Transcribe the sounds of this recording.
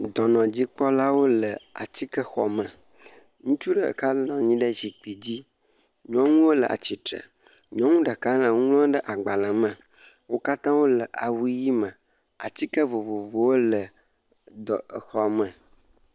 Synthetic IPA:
d̪ɔ˨nɔ̃˨d͡ʑi˦k͡pɔ˦la˦wo˦lə˨a̰˨t͡ɕi˦kə˦xɔ̰˨mə̃˨ | ŋũ˦t͡ʃu˦ɖə˨ə̰˨ka˦lnɔ̃˨ɲĩ˦ɖə˦zi˨k͡pi˨d͡ʑi˦ | ɲɔ̃˦ŋũ˦wo˦lə˨ʔa̰˨t͡ɕi˨t̪ɾə̰˨ | ɲɔ̃˦ŋũ˦ɖə˨ka˦lã˨ŋũ˦ŋlɔ̃˦ɖə˦ʔa˨ɡ͡ba˨lã˨mə̃˨ | wo˦ka˦t̪ã˦wo˦lə˨ʔa˨wu˦ji˦mə̃˨ | a̰˨t͡ɕi˦kə˦vo˨vo˨vo˨wo˦lə˨ | d̪ɔ˨ə˨xɔ˨mə̃˨

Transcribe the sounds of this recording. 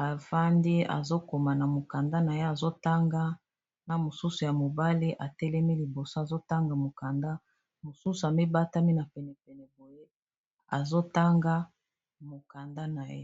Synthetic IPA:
a˨fa˦ndi˦a̰˨zo˦ko˨ma˨na˨mo˨ka˨nda˦na˨je˦a˨zo˦ta˦ŋɡa˦ | na˨mo˨su˦su˨ja˨mo˨ba˦li˦ʔa˨tɛ˦lɛ˦mi˦li˨bo˨so˦a˨zo˦ta˦ŋɡa˨mo˨ka˨nda˦ | mo˨su˦su˨a˨mi˦ba˦ta˦mi˦na˨pɛ˨nɛ˨pɛ˨nɛ˨bo˨je˦ | a̰˨zo˦ta˦ŋɡa˦ | mo˨ka˨nda˦na˨jḛ˦

